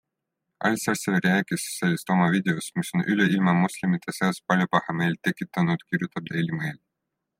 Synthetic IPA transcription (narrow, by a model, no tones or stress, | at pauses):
ɑ̰lʲsæɾselɾeɑkisselʲist̪omɑvid̪ʲeosmisonʔylɛʔilʲmɑmusʲlʲimit̪ːesɑːspɑlʲjopɑhɑmeːlʲt̪ekːit̪ːɑnut̪kʲiɾjut̪ɑt̪d̪elʲimeːlʲ